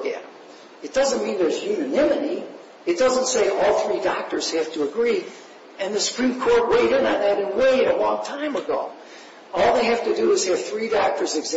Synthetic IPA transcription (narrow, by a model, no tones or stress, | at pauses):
ɡɛ̰̃ | ɨt̚d̥ʌzə̃nmĩnðə˞zjʉnɨnɪ̃mɨɾi | ɨt̚d̥ʌzə̃ntseɪʔɔlˠθɹidɑk̚tə˞z̥hæftəːɡɹi | ɨ̃nðɨsə̥pʰɹ̥ĩmkʰɔɹt̚weɪɾɨ̃nɨnðɨɾɨ̃nweɪɾəlɔ̃ŋtʰãɪ̃məɡoʊ | ɔlˠðeɪɦæftɨdɨːz̥ɨv̥θɹidɑk̚tə˞zɨɡz